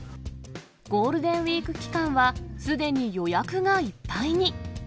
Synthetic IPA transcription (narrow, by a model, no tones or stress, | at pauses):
ɡ̥o̞ːɾɯ̟d̪ẽ̞ɰ̃βʲiːkɯ̟kʲi̥kãɰ̃βasɨd̪e̞ɲ̟ijo̞jakɯ̟ŋaipːaiɲ̟i